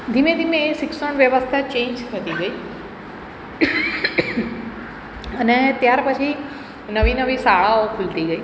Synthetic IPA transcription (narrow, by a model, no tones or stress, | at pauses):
d̪ʱimẽd̪ʱimesɪksəɳ̃ʋjəʋəst̪ʰat͡ɕẽːɲd͡ʒt̪ʰət̪iɡəiː | ənet̪jaɾpət͡ʃʰi | nəʋinəʋisaɭaokʰʊlt̪iɡəiː